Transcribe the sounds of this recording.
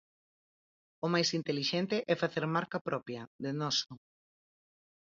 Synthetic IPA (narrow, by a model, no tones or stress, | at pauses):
ʊmajsint̪eliʃɛnt̪ɪʔɛfaθeɾmaɾkapɾɔpjɐðenɔso